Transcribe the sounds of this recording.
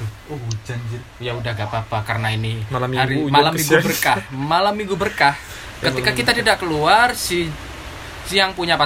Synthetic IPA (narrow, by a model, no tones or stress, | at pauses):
od͡ʒad͡ʒ | jaudahɡapapakarnainimalamiaɾimalamːiŋɡubərkahmalamːiŋɡubərkah | kkət̪ikakit̪at̪idaʔkəluarsi | sijaŋpuɲapa